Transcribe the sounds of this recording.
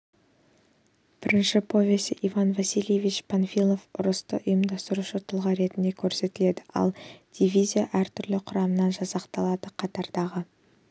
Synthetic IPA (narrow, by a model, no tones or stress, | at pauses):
b̥ɪɾɪnʃɪpʰo̞vʲe̞sɪʔivɑnvasʲilʲˠjevit͡ʃpʰanfʲilˠo̞fʊ̰ɾəst̪ə̰ʔʊjəmd̪ɑst̪əɾuʃət̪ʰʊlˠʁɑɾe̞t̪ɪnd̪e̞kʲʰɵɾse̞t̪ɪle̞d̪ɪʔɑ̰lˠd̪̥ʲivʲizʲijaʔæɾt̪ʰʏɾlɪqʰʊɾɑmənɑnʒɑsɑqt̪ɑlˠɑd̪əqʰɑt̪ɑɾd̪ɑʁə